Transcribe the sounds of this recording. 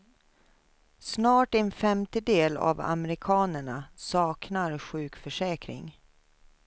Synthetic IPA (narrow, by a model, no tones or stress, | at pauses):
snɑːʈɛnfɛmt̪əd̪eːla̰va̰mɛɾɪkʰɑːnəɳasɑːknaɾɧʉ̟ːkfœʂɛːkɾɪ̰ŋ